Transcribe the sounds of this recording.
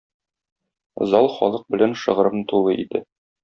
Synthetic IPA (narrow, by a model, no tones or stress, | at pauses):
zɑlˠχɒ̰lˠɤq̚bɘ̆lænʃɤ̆ʁɤ̆ɾɤmnɤt̪ulˠɤʔḭd̪ɘ